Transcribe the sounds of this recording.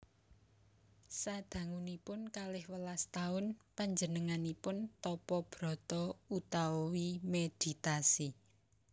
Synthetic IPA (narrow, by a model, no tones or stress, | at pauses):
sad̪̥ä̤ŋunipʊnkalɪhwəlast̪aʊnpaɲd͡ʒənəŋanipʊnt̪ɔpɔb̥ɾɔ̤t̪ɔut̪aɔwimed̪̥i̤t̪asi